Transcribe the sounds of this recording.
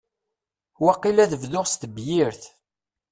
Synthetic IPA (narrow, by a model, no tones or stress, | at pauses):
wɑqːilæðəvðʊʁst̪bjɪɾθ